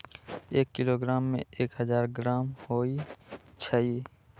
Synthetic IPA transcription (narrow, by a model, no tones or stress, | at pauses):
eːkːɪloːɡɾaːmːḛ̃eːkɦəzaːɾɡɾaːmhoːit͡ʃʰəi